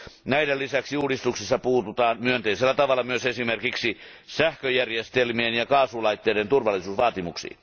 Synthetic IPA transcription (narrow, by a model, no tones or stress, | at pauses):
næidelisæksiuːdist̪uksisːɑpuːt̪ut̪ɑːnmyønt̪eiselːæt̪ɑʋɑlːˑɑmyøsesimerkiksi | sæhkøjærjest̪elmienjɑkɑːsulɑit̪ːeˑiɾent̪urʋɑlːisuːsʋɑːt̪imuksḭː